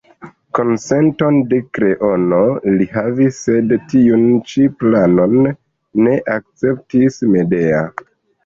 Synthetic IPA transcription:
ko̞nse̞nto̞nde̞kɾe̞ʔo̞no̞liɦavisːe̞dtiunt͡ʃiplano̞nː | e̞ʔak̚t͡se̞p̚tisme̞de̞a̰

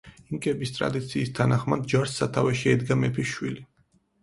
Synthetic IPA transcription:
iŋkʼɛbist̪ʼɾa̰d̪it̪sʰiːst̪ʰanaχmad̪̚d͡ʒaɾsːat̪ʰavɛʃiɛd̪ɡamɛpʰiʃwili

